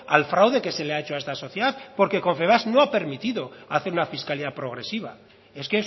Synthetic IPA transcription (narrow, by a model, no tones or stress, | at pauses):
alfɾawðe̞ke̞se̞leaet͡ʃoae̞st̪aso̞θjeðaθpo̞ɾke̞ko̞ɱfe̞β̞asnoape̞ɾmit̪iðo̞aθe̞ɾunafiskaliðapɾo̞ɣ̞ɾe̞siβ̞a̰ | e̞skes